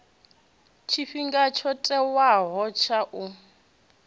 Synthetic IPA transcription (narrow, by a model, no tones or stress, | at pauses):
t͡ʃʰiɸiŋɡat͡ʃʰɔtʼɛwaɦɔt͡ʃʰaʔu